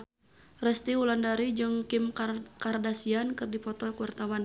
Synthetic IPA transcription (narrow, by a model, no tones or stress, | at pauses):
rɛst̪iulandaɾid͡ʒɨŋkimkardasiankɨrdipɔt̪ɔlkuwart̪awan